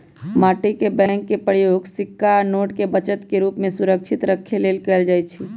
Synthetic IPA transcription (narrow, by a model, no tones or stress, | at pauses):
maʈikebɛŋkːepəɾjoɡsɪkːanoʈkebət͡ʃət̪keɾupmẽsuɾək̚t͡ʃʰit̪ɾəkʰːelelkəeld͡ʒajt͡ʃʰi